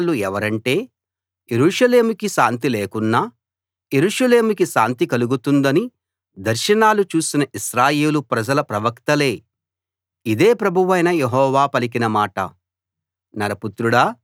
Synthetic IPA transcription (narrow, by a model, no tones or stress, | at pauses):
lːuɛʋɐɾɐɳʈe̞ː | jeɾuːʂɐle̞ːmukiʃa̰ːnt̪̬ileːkunːaː | je̞ɾuːʂɐle̞ːmukiʃaːnt̪ikɐluɡut̪und̪ɐni | d̪ɐɾʃɐnaːlut͡ʃuːsinɐʔiʃɾaːje̞ːlupɾɐd͡ʒɐlɐpɾɐʋɐkt̪ɐle̞ː | id̪e̞ːpɾɐbʱuʋɐjnɐjeɦɔːʋaːpɐlik̬inɐmaːʈɐ̰ | nɐɾɐput̪ɾuɽɐː